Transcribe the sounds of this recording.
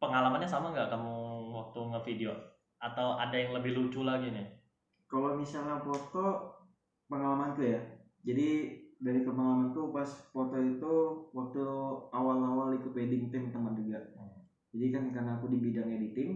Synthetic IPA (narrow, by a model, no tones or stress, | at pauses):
pəŋalamanɲasamaŋɡaʔkamuwak̚t̪uŋəfideo | at̪awa̰dajaŋləbɪhlut͡ʃulaɡinɪ | kalomisalnafot̪ɔ | pəŋalamant̪uja | d͡ʒadidaɾikəpəŋalamant̪upaspot̪ɔit̪uwak̚t̪uawalawalikəpedɪŋt̪ɪmt̪əmand͡ʒuɡaʔ | d͡ʒadikankarnaːkudibidaŋedit̪ɪŋ